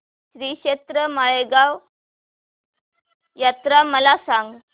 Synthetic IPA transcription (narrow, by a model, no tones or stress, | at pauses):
ɕɾiɕet̪ɾəmaɭeɡaw | jat̪ɾaməlasaŋɡ